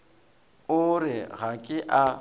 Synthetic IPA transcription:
ʊɾɪɣakʼɪʔa

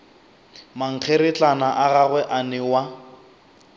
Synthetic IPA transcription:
maŋ̩k͡xʰeɾɪt͡ɬanaʔaɣaɣwɛʔanɪwa

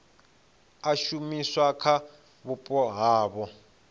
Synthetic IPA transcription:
aʃumiswakʰa | βupʼɔɦaːβɔ

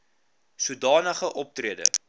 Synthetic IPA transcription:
sudɑːnəχəʔɔp̚triədə̰

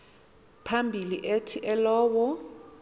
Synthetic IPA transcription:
pʰambʱiliʔetʰiʔɛlɔːwɔ

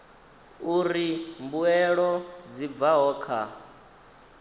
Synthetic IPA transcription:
uɾimbuɛɺɔd͡zib̪vaɦɔːkʰa

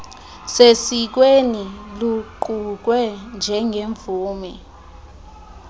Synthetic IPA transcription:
sesik̬weniluǃuk̬wɛnd͡ʒʱɛŋʱeɱb̪vuːmɛ

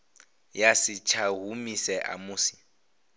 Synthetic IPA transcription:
jasit͡ʃʰaɦumisɛʔa̰muːsi̥

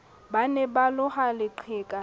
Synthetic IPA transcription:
banɛbalʊhalɪǃʰɪːkʼa

